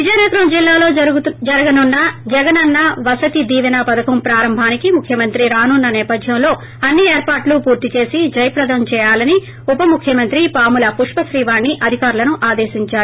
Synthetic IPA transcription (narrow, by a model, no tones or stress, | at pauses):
ʋid͡ʒɐjnɐɡ̪ɐɾɐmd͡ʒilːaːlo̞ːd͡ʒɐɾɐɡɐnunːɐd͡ʒɛɡɐnɐnːɐʋɐsɐt̪id̪iːʋɐnaːpɐd̪ɐkɐmpɾaːɾɐmbʱaːnikimukʰjɐmɐnt̪ɾiɾaːnunːɐnɛːpɐd̪ʱjɐmlo̞ː | ɐnːieːɾpaːɾʈlupuːɾt̪it͡ʃe̞ːsid͡ʒɐjɐpɾɐd̪ʱɐmt͡ʃɛːjaːlɐni | upɐmukʰjɐmɐnt̪ɾipaːmulɐpuʂpɐʃɾiːʋaːɳːiʔɐd̪ʱikaːɾulɐnuʔaːd̪e̞ːʃiɲt͡ʃaːɾuu